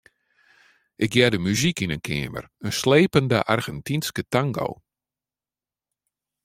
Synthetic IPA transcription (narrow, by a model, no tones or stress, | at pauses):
ʔɪk̚jɛdəmyzikinənkʰɪ̰əmə̰rənsleːpəndəʔarɣɛntinskətaŋɡo̰w